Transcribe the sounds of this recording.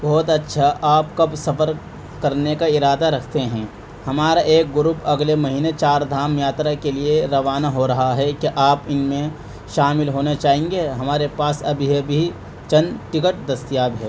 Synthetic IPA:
bɔːt̪ɐtːʃʰaʔaːpkɐbsɐpəɾ | kɐɾnekaɪɾaːd̪aɾɐkʰt̪eɦɛ̃ː | hɐmaːɾaʔeːk̚ɡʊɾuːpɐɡlemɐɦiːnet͡ʃaːɾd̪ʱaːmjaːt̪ɾakelieɾɐʋaːnaɦoɾɐɦaɦɛkeʔaːpɪnmẽ | ʃaːmɪlɦoːnat͡ʃaːɦẽːŋ̆ɡeɦɐmaːɾepaːsɐbʱiɦebʱi | t͡ʃɐ̃nʈɪkəʈ̚d̪ɐst̪ijaːbɦɛː

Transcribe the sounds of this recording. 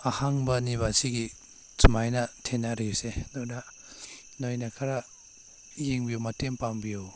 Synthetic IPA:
ahaŋbɐniβasiɡi | sumajnɐtʰenaɾisenona | nojnɐkʰɐɾɐ | jeŋbijomɐtempambijo

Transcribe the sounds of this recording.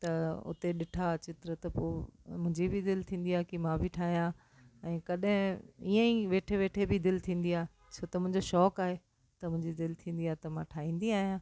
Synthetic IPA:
t̪ɐʊ̰t̪eɗɪʈʰat͡ɕɪt̪ɾət̪ɐpo̰ːmʊ̃ɦɪ̃ɲd͡ʑibʱid̪ɪlt̪ʰĩːn̆d̪iaːkimãbʱiʈʰaːɦijã | ɛ̃ːkɐɗɦɪ̃iə̃ĩʋeːʈʰeʋeːʈʰebʱɪd̪ɪlt̪ʰĩːn̆d̪iaːɦ | t͡ɕʰoːt̪ɐmʊ̃ɦɪ̃ɲd͡ʑoʃɔːkaːɦe | t̪ɐmʊ̃ɦɪ̃ɲd͡ʑid̪ɪlt̪ʰĩːn̆d̪iaːɦet̪ɐmãʈʰaːɦĩːn̆d̪iaːɦijãː

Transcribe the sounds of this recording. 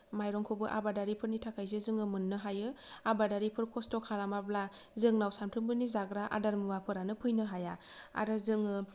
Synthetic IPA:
majɾɔŋkʰobɯʔa̰badaɾipʰɯɾnitʰakʰajs̬ezɯŋɯmɯnːɯɦajɯabadaɾipʰɯɾkʰɔstɔkʰalamablazɯŋnawsamtʰɯmbɯnizaɡɾaʔa̰daɾmɯwapʰɯɾanɯpʰɯjnɯɦajaa̰ɾɯzɯŋɯ

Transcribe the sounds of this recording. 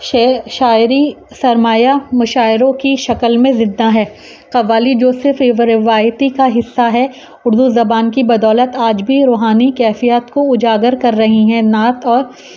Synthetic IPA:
ʃʃaːɪɾisɐɾmaːjamʊʃaːɪɾõkiʃɐkəlmẽzɪ̃d̪ːaɦɛː | qɐʋaːlid͡ʒoːsɪɾfɾɪɾɪʋaːjt̪ikaɦɪsːaɦɛ | ʊɾd̪uzɐbaːnkibɐd̪ɔːlət̪aːd͡ʒbʱiɾoːɦaːnikɛːfijat̪koʊd͡ʒaːɡəɾkɐɾːɐɦiɦɛ̃naːt̪ɔːɾ

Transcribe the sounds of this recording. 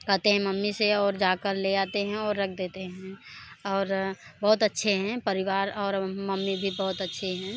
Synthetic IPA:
kət̪eɦɛ̃məmːiseɔːɾd͡ʒaːkəɾleaːt̪eɦɛ̃ɔːɾːəkʰd̪eːt̪eɦɛ̃ɔːɾbəɦʊt̪ətːʃʰeɦɛ̃pəɾɪʋaːɾɔːɾməmːibʱibəɦʊt̪ətːʃʰeɦɛ̃ː

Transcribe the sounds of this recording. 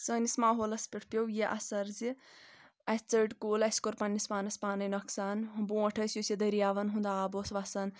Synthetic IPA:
səːnismaːɦoːlɐspʲiʈʰpʲjowjeʔɐsɐɾzi | ɐst͡səɖkuːlɐskoɾpɐnːispaːnɐspaːnɐjnɐksaːnbũɐʈʰɐːsjosʲjed̪ɐɾijaːʋɐnɦũnd̪aːboːsʋɐsɐn

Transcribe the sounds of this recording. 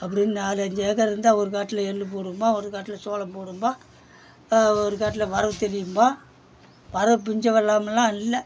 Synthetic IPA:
ɐpːɐɽɪnːɯnaːlɐɲd͡ʒeːɣɐɾɪɾɯnd̪aːɔɾɯkaːʈːɪlɐɛlːɯp̬oːɽɯmbaːɔɾɯkaːʈːɪlɐsoːlɐmpoːɽɯmbaː | ɔɾɯkaːʈːɪlɐʋɐɾɐʋɯt̪ɛɾɪjɯmbaː | ʋɐɾɐʋɯp̬ʊɲd͡ʒɐʋɐɭːaːmɐlːãːnɪlːɐ

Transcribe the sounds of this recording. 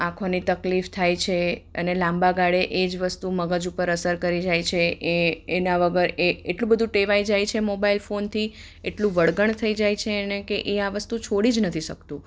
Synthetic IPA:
ãkʰonit̪əklift̪ʰajt͡ʃʰeə̰nelãmbaɡaɽeʔed͡ʒʋəst̪uməɡad͡ʒupəɾəsəɾkəɾid͡ʒajt͡ʃʰeeːnaʋəɡəɾeeʈlũbəd̪ʱũʈeʋaid͡ʒajt͡ʃʰemobailfont̪ʰi | eʈlũʋəɽɡəɳt̪ʰəid͡ʒajt͡ʃʰeənekeʔeaʋəst̪ut͡ʃʰoɽid͡ʒnət̪ʰiʃəkt̪ũ

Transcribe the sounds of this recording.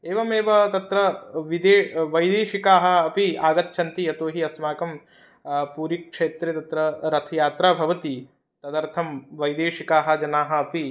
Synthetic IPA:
eːʋɐmeːʋɐt̪ɐt̪ɾɐʋid̪eːʋɐjd̪eːʃikaːɦɐ̆ɐpiaːɡɐt̪t͡ʃʰɐnt̪ijɐt̪oːɦiɐsmaːkɐm | puːɾikʂeːt̪ɾet̪ɐt̪ɾɐɾɐt̪ʰɐjaːt̪ɾaːbʱɐʋɐt̪i | t̪ɐd̪ɐɾt̪ʰɐmʋɐjd̪eːʃikaːɦɐ̆d͡ʒɐnaːɦɐ̆ɐpi

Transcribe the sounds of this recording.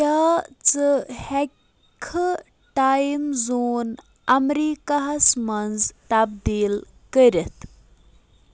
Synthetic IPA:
at͡səhɛ | kʰə | ʈajmzon | amɾikaɦasmɐnd͡zt̪abd̪iːl | kəɾət̪

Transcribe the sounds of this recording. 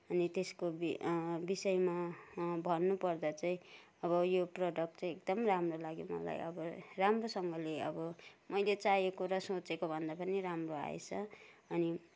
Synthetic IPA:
ʌnit̪eskobbisʌjmabʱʌnːupʌrd̪ʌt͡saĩ | ʌβʌjoproɖʌkʈt͡saĩekd̪ʌmramrolaɡimʌ̰la̰jʌ̰bʌramrosʌŋɡʌleʌ̰bʌmʌjlet͡sajekoɾʌsot͡sekobʱʌnd̪apʌniɾamroa̰ḛt͡sʰʌ | ʌni

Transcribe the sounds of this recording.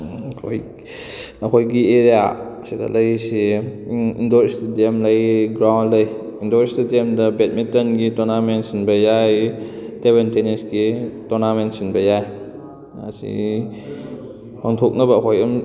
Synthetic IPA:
kʰo̰j | ɐkʰojɡieɾija̰sidɐ̰lɐjsi | indoɾstidemlɐjɡɾawndlɐj | indoɾestidemdɐbet̚mitɐnɡitonamentsinbɐjaj | teβbentenisɡitonamentsinbɐjaj | ɐ̰sḭ | pʰaŋtʰok̚nɐbɐːkʰojɐm

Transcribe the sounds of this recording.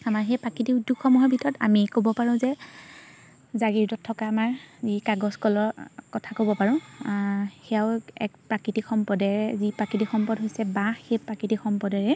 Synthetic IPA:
amaɹxejpakitidukʰɔmɔɦɔbʱitʰɔta̰mikobɔpaɹʊ̃zɛ | zaɡiɹtɔtʰːɔkaːmaɹzikaɡɔskɔlɔɹkɔtʰakobɔpaɹʊ̃ | xɛaʊɛ̰k̚pɹakitixʰɔmpɔdɛɹɛzipɹakitixɔmpɔdɦojsɛbaxejpɹakitixɔmpɔdɛɹɛ

